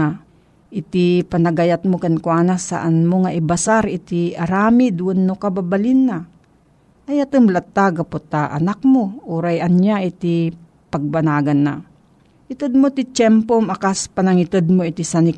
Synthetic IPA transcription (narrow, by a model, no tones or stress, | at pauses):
a | ʔɪt̪ipanaɡajat̪̚mokankwaːnasa̰ʔanmoŋaʔɪbasaɾɪt̪iɐɾaːmid̪uʔʊnːokababalinːa | ajat̪ɨmlat̪ːaɡapot̪aʔa̰nak̚moʔoɾajanɲjaʔit̪i | paɡ̚banaːɡanːa̰ | ʔɪt̪ɨd̪̚mot̪it͡ʃɛmpomakaspanaŋɪt̪ɨd̪̚moɪt̪isanɪk